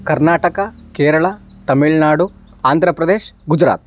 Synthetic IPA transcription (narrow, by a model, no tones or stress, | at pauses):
kɐɾnaːʈɐkɐkeːɾɐɭɐ | t̪ɐmiɭnaːɽu | aːnd̪ʱɾɐpɾɐd̪eːʃɡud͡ʒɾa̰ːt̪